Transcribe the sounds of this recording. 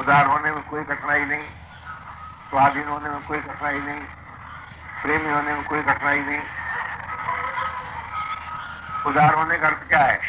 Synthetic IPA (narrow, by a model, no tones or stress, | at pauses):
ʊd̪aːɾɦoːnemẽkoːiɡʱɐʈnainɐɦĩː | sʋaːɾd̪inɦoːnemẽkoːiɡʱɐʈnaːinɐɦĩ | pɾeːmiɦoːnemẽkoːiɡʱɐʈnaːinɐɦĩ | ʊd̪aːɾɦoːnẽkɐɾt̪kjaːɦɛː